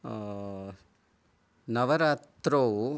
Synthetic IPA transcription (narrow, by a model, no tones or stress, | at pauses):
nɐʋɐɾaːt̪ɾo